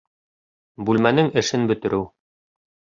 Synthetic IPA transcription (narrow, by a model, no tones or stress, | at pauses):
bʉlmænɘŋɘ̆ʃɘnbɵ̆t̪ɘ̆ɾʔɘw